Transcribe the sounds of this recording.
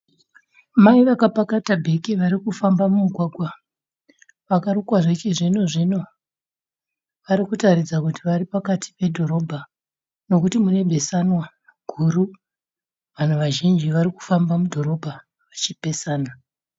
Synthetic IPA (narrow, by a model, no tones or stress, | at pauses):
maiʋakapakatabʱe̞kiʋaɾikufambamumuɡʱwaɡʱwa | ʋakaɾukwaʐet͡ʃeʐinoʐino̞ | ʋaɾikutaɾid͡zakutiʋaɾipakatʰi̥pe̞dʱo̞ɾo̞bʱa | no̞kutimune̞bʱe̞sanwa | ɡ̥ʱuɾu | ʋan̤uʋaʒind͡ʒiʋaɾiku̥fambamudʱo̞ɾo̞bʱa | ʋat͡ʃipe̞saːna